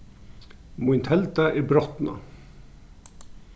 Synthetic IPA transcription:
mʊɪnt̪ʰɛlt̪əʔeːbɾɔt̪nɑ̰

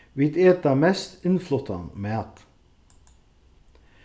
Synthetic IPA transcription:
ʋɪt̪eːt̪ɑmɛst̪ɪnflɔt̪ʰɑ̰nmeːɑt̪

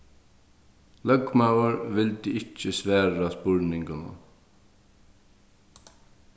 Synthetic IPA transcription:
lœɡmaʊəɹʋɪld̪iːɪt͡ʃːəsʋæːɹaspʊɹnɪŋkənə̰

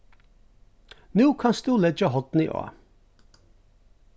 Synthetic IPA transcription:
nuːkʰɑnst̪uːlɛd͡ʒəɦɔt̪nɪʔo̰ː

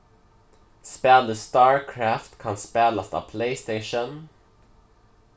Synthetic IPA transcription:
spɛld̪əstɑɹkʰɹæftkʰãnspɛləsðə̰pʰleɪsteɪʃə̃n

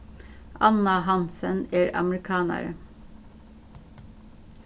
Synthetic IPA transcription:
ɑnɑhɑnsəneːɹɑ̰mɹɪkʰɑːnæ̰ɾə

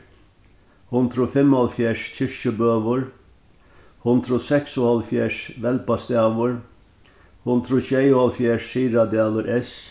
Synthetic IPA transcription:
hʊnd̪ɾʊfɛmhɑlfjæːʂcʰɪʂəbøːʋəɾ | hʊnd̪ɾʊsɛksʊhɑlfjæːʂʋɛlpɑst̪æːʋəɾ | hʊnd̪ɾʊɕʉeɪʊhɑlfjæːʂːiːɾɑd̪æːləɾʔɛs

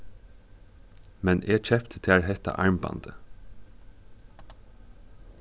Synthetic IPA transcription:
mɛnʔeːt͡ʃʰɛpt̪ʰə̥t̪ʰːɹɦɛt̪a̰ʔɑɹmbɑ̰nd̪ə

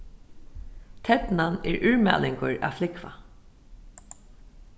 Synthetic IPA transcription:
t̪ʰɛt̪nanɛɹʔʏɹmæ̰ːlɪŋkʊɹa̰flɪkva̰

